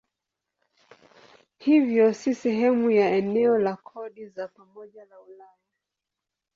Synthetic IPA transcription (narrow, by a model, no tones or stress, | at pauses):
hivjɔsisɛɦɛmujaɛnɛɔlakʰɔɗizapamɔʄalaulaja